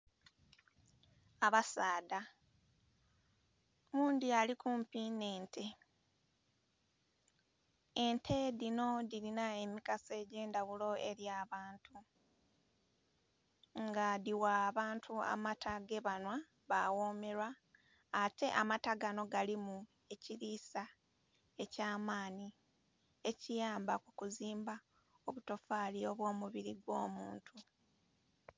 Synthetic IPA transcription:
aβasaːda | muːnd̪ialikuːmpineːntʰe | entʰeðino̞ðilinae̞mikase̞ɟeːndaβulo̞e̞ɾjaːβaːntʰu | ŋɡadiwaːβaːntʰua̰matʰaɡe̞βanwa | βawoːme̞ɾwaː | tʰe̞ʔamataɡano̞ɡalimu | e̞ciɾisa | e̞caːmaːni | e̞cijaːmbakukuziːmba | o̞βuto̞faːlio̞βwo̞ːmuβiɾiɡwo̞ːmuːntʰu

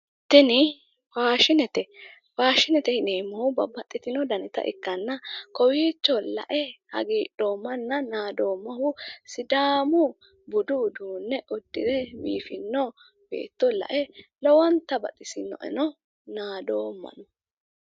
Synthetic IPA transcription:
t̪ːɪnɪ | faːʃɪnɛt̪ɛ | faːʃɪnɛt̪ɛhɪneːmːɐhʊbɐbɐt̪ʼːɪt̪ɪnɔd̪ɐnɪt̪ɐ̰ʔɪ̰kːɐnːɐkɔwiːt͡ʃːɔlɐ̰ʔɛhɐ̰ɡiːᶑoːmːɐnːɐnaːd̪o̞ːmːɐɦʊsɪd̪aːmʊ | bʊd̪ud̪uːnːɛʔɔd̪ːɪd̪ɛbḭːfɪnːɔ | b̥ḛːt̪ːɔlɐ̰ʔɛlɔwɔnt̪ːɐbɐ̰t̪ʼːɪsɪnːɔ̰ʔɛ̰nɔ | naːd̪oːmːɐ̰nɔ

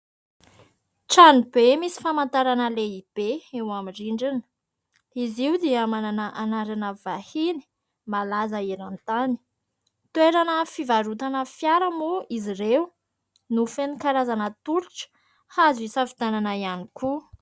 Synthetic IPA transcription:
ʈ͡ʂanibemisi̥famant̪aɾanəleib̥eewamiɳɖ͡ʐiɳɖ͡ʐinə̥ | iziud̪iamananəʔanaɾanəvahini̥ | malazəiɾant̪ani̥ | t̪ueɾanəfivaɾut̪anəfjaɾəmuiziɾew | nufenikaɾazanət̪uɾiʈ͡ʂə̥ | hazisafid̪ananaianiku

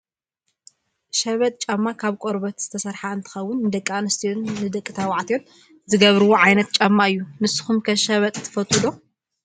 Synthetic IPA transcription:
ʃɐβɐt̪ʼt͡ʃʼɐmːakʰaβkʷʼoɾbɐt̪z̥ɨt̪ʰɐsɐɾħaɨnt̪ʰɨ̥xɐwːʊnːɨd̪ɐkʼːanɨst̪ʰijonːɨd̪ɐkʼːit̪ʰawaʕt̪ʰijon | zɨɡɐβɾɨwoʕajnɐt̪̚t͡ʃʼɐmːaɨjːumɨsɨ̥xumkʰɐʃɐβɐt̪ʼt̪ʰːɨ̥fɐt̪ʼːɨd̪o

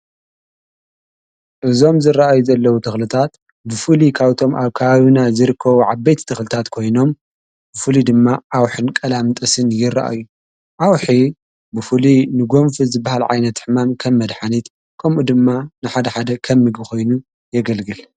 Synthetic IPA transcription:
ʔɨzo̞mzɨraʔajuzɐlːɐwut̪ʰɨxlɨt̪ʰat̪ | bɨfɨlikʰaβt̪ʰo̞mʔaβkʰɐβaβɨnazɨɾɨkʰːɐβuʕaβːejt̪t̪ʰɨxlɨt̪ʰat̪kʰo̞jno̞m | bɨfɨlid̪ɨmːaʔawħɨnkʼɐlamt̪ʼɐsɨnjɪrːa̰ʔa̰ju | ʔawħi | bɨfɨlinɨɡo̞mfizɨbːahalʕa̰jnɐt̪ːħɨmamkʰɐmːɐd̪ħanit̪ | kʰɐmʔud̪ɨmːanɨħad̪ɐħad̪ɐkʰɐmːɨɡɨxo̞jnu | jɛɡɐlɡɨl

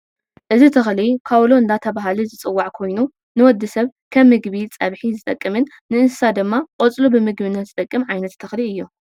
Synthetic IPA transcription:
ʔɨzit̪ʰɐxlikʰaβloɨnd̪at̪ʰɐβaɦalɨzɨt͡sʼɨwːaʕkʰo̞jnu | nɨwɔd̪ːɨsɐβkʰɐmːɨɡβit͡sʼɐβħizɨt̪ʼɐkʼːɨmɨnːɨɨnsɨ̥sad̪ɨmːaqʼot͡sʼlubɨmɨɡbɨnːɐt̪zɨt̪ʼɐkʼːɨmʕajnɐt̪ʰːɐxliɨjːu

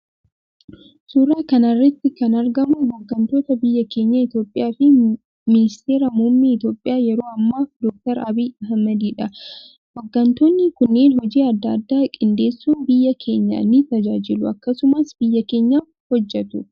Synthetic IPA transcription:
suːɾaːkɐnɐrːɐt̪ːɪkɐnɐɾɡɐmʊbɔɡːɐnt̪o̞ːt̪ɐbɪjːɐkʰe̞ːɲːɐɪt̪jo̞ːpʼːɪjaːfɪ | mɪnɪst̪e̞ːɾɐmuːmːiːɪt̪jo̞ːpʼːɪjaːjɛɾo̞ːɐmːaːd̪ɔk̚t̪ɐɾɐbiːɐɦmːɐd̪iːᶑɐ | wɔɡːɐnt̪o̞ːnːɪkʊnːeːnhɔd͡ʒiːɐd̪ːɐd̪ːaːkʼɪnd̪e̞ːsːuːnbɪjːɐkʰe̞ːɲːɐ̰nːɪt̪ɐd͡ʒaːd͡ʒɪlʊɐkːɐsʊmɐsb̥ɪjːɐke̞ːɲːaː | hɔd͡ʒːɛt̪ʊ

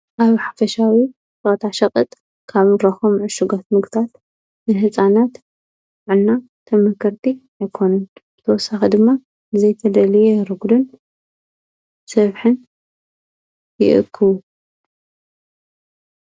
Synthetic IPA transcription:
ʔaβħḁfɐʃawi | ot̪ʰaʃɐkʼɨt̪ʼ | kʰaβɾɐxomʕɨʃuɡot̪mɨɡt̪ʰat̪ | nɨɦɨt͡sʼanat̪ | ʕɨlna | t̪ʰɐmɐkʰɐɾt̪ʰi | ajkʰo̞nɐnb̥ɨt̪ʰɐwɔsaxid̪ɨmːa | ɨzɐjt̪ʰɐd̪ɐlijeɾɨɡd̪ɨn | sɐβħɨn | jɪ̰ʔɨ̰kʰːɨβu

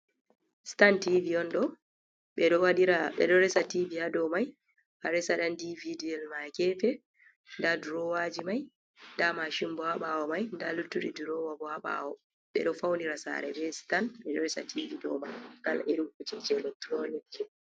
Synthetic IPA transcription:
si̥tantiviɔnɗɔ | ɓɛɗɔwaɗiɾaɓɛ̰ɗɔɾɛsativihadɔmaj | haɾɛsaɗandividiɛlmakɛfɛ | ndaduɾɔwad͡ʒimaj | ndamaʃimbɔhaɓawɔmajndalutːuɗiduɾɔwabɔaɓa̰wɔ | ɓɛ̰ɗɔfawniɾasa̰ɾɛ̰bɛsi̥tanɓɛɗɔɾɛsa̰tʰividɔ̰majka̰lʔeɗukut͡ʃit͡ʃɛlɛktɾonikːɛ

